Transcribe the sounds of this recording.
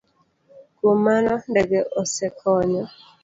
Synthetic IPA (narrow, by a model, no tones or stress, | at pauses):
kwomanɔndɛɡɛʔɔsɛkʰɔɲɔ